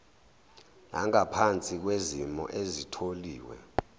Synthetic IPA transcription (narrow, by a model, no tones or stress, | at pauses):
naŋapʰant͡sʼik̬wezimɔ̰ʔezitʰoliːwɛ̰